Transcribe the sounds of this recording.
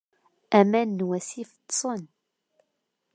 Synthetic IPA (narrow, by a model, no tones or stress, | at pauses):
æmænːwæsifət̪ːsˤən